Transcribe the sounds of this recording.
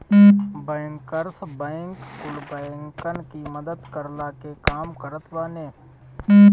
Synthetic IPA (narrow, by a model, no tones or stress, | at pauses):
bəːŋkəɾsbəːɪŋkkʊlbəɪŋkənkiməd̪əd̪kəɾlaːkekaːmkəɾət̪ʰʋaːneː